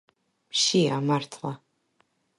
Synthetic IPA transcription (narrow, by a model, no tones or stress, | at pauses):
pʃiamartʰla